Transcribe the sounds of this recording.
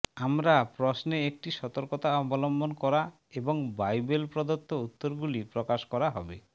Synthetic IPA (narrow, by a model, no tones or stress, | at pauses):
amɾapɾosneek̚ʈiʃɔt̪oɾkot̪aɔbolombonkɔɾa | eboŋbajbelpɾod̪ot̪ːout̪ːoɾɡulipɾokaʃkɔɾaɦɔbe